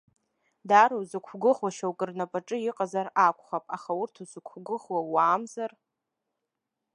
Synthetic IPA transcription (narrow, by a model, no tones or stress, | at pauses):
daɾawzɨkʷʰɡɨʁwaʃawkʼɨrnapʼaʈ͡ʂʼɨjiqʼazarakʷʰʼχapʼaχaʊrtʰuzɨkʷʰɡɨʁwawaːmzar